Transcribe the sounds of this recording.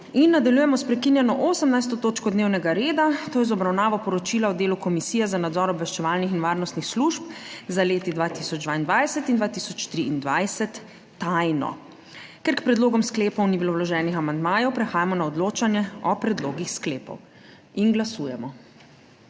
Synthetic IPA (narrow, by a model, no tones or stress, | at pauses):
inːad̪aljujɛmɔspɾɛkinjɛnɔʔosəmnajst̪ɔt̪oːt͡ʃkɔd̪neːwnɛɡaɾeːd̪at̪oːjɛzɔbɾawnaːʋɔpɔɾɔt͡ʃilaɔd̪eːlukɔmisiːjɛzanad̪zɔɾɔbʋɛʃt͡ʃɛʋaːlnixinʋaːɾnɔst̪nixsluʃp̚zaleːt̪id̪ʋaːt̪isɔd͡ʒd̪ʋaind̪ʋajsɛt̪ind̪ʋaːt̪isɔt͡ʃt̪ɾiind̪ʋajsɛt̪ː | ajnɔ̰ | kɛɾkpɾɛd̪loːɡɔmskleːpɔwnibilowlɔʒɛːnixamand̪maːjɔwpɾɛxaːjamɔnaɔd̪loːt͡ʃanjɛɔpɾɛd̪loːɡixskleːpɔ̰w | inɡlasuːjɛmɔ